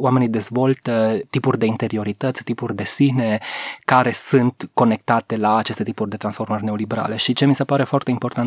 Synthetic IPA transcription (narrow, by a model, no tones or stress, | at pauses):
oame̞nid̪e̞zvo̞lt̪ət̪ipurʲd̪e̞int̪e̞ɾio̞ɾit̪ət̪sʲt̪ipurʲd̪e̞sine̞kaɾe̞sɨnt̪ko̞ne̞k̚t̪at̪e̞laːt͡ʃe̞st̪e̞t̪ipurʲd̪e̞t̪ɾansfo̞rmərʲne̞o̞libeɾa̰le̞ʃit͡ʃemise̞paɾe̞foart̪e̞impo̞rt̪an